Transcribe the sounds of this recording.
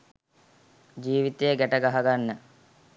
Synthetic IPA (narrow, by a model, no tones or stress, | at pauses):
d͡ʒiːʋit̪ejəɡæʈəɡaɦaɡanːə